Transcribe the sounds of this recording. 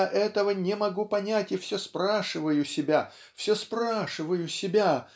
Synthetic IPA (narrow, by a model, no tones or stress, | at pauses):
ʔɛt̪əvənʲɪmɐɡupɐnʲætʲɪfsʲospɾaʂɨvəjʊsʲɪbʲa | fsʲospɾaʂɨvəjʊsʲɪbʲa